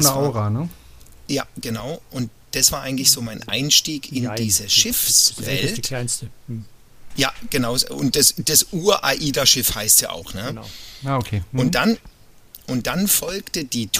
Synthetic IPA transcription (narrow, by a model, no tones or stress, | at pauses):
naʊʁanəjaːɡ̥ənaʊʔʊnt̚d̥asv̥aːɐaɪɡŋ̩tlɪçz̥oːmaɪnʔa̰ɪnʃtiːkɪndiːzəʃɪfsv̥ɛ̰ltntə | jaːɡ̥ənaʊzʊ̰nt̚d̥asd̥asʔuːɐʔaʔiːdaʃɪfhaɪstja̰ːʔa̰ʊxnəaːokʰeːʊntd̥an | ʔʊnt̚d̥anfɔlktədiːtʰ